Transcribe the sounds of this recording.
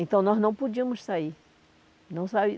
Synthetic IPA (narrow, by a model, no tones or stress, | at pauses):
ẽnt̪ɐ̃w̃nɔznɐ̃w̃pud͡ʒĩɐ̃mʊssai | nɐ̃w̃sabi